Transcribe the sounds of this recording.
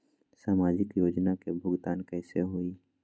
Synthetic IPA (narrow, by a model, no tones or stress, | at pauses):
saːmaːd͡ʒɪkjoːd͡ʒnakebʱʊɡt̪aːnkɛːseɦuiː